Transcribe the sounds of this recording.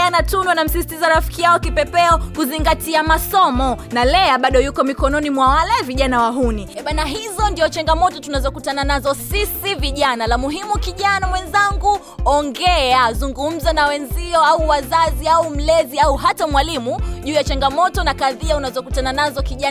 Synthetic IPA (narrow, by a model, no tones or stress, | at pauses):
anatunwanam̩sisi̥tizaɾafi̥kijaɔkipɛpɛɔkuziŋɡatiamasɔmɔnalɛaɓaɗɔjukɔmikɔnɔnimwawalɛviʄanawaɦuniɛɓanaɦizɔndiɔt͡ʃaŋɡamɔtɔtunazɔkutananazɔsisiviʄanalamuɦimukiʄanamwɛnzaŋɡu | ɔŋɡɛazuŋɡum̩zanawɛnziɔauwazaziaum̩lɛziauɦatamwalimuʄuːjat͡ʃaŋɡamɔtɔnakaðiaunazɔkutananazɔkiʄa